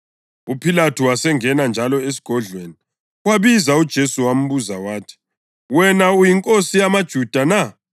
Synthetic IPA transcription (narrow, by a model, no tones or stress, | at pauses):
upʰilatʰuwasɛŋɛnand͡ʒʱalɔes̬i̥ɡ̥ʱɔɮʱweːni | waβizaud̥ʒ̥ʱesuwam̩βuzawaːtʰi̥ | wɛnaujiŋkʼosijamad̥ʒ̥ʱud̥ʱana